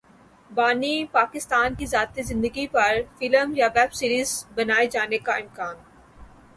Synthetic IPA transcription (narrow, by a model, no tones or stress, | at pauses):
baːnipaːkɪst̪aːnkizaːt̪ezɪ̃nd̪əɡipɐɾfɪləmjaʋɛːbsiːɾiːzbɐnaːed͡ʒaːnekaɪ̃mkaːn